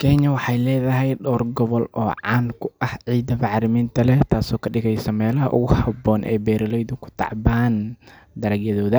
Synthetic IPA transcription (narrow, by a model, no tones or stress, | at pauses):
kʰɛɲɐwɑħɑjlɛːðɐɦɛjɖɔːrɡɔβɔlʔɔːʕɑːnkʰʊʔɐhʕiːd̪ɐmɑʕɾɪmiːnt̪ʰɐlɛt̪ʰaːsɔːkʰɐɖɪɣɛjsɐmɛːlɐhɐ̰ʔʊ̰ɣʊhɐbɔːnʔɛ̰ːbɛːɾɐlɛjðʊkʰʊ̥t̪ʰɑ̰ʕbaːn | d̪ɐɾɐɡjɐðɔːðɐ